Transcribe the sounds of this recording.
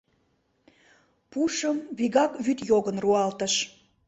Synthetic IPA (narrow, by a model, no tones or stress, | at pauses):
puʃəmβiɣɑkβyt̪joɣənruɑlt̪əʃ